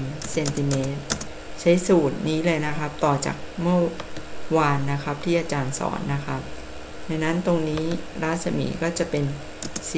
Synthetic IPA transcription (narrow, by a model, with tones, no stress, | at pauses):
mse˧nt̪i˧˩meː˦˥t̪̚ | t͡ɕʰa˦˥jsuː˨˩t̪̚niː˦˥lɤː˧jna˦˥kʰa˦˥p̚t̪ɔː˨˩t͡ɕa̰ː˨˩k̚mɯ˥˩ɐwaː˧nːa˦˥kʰa˦˥p̚t̪ʰiː˥˩ʔaː˧t͡ɕaː˧nsɔ̰ː˩˦nːa˦˥kʰa˦˥p̚ | da˧na˦˥nt̪o˧ŋniː˦˥ɾaː˦˥t̪̚sa˧mḭː˩˦kɔː˥˩t͡ɕa˨˩pe˧n | si˨